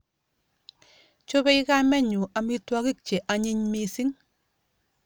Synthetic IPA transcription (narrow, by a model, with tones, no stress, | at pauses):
t͡ʃo˦bɛ˦ɪ˦ka˦mɛ˦ɲʊ˨ʔa˨mi˦twa˦kɪ˦k̚t͡ʃe˨ʔa˨ɲɪ˦ɲme˨si˦ŋ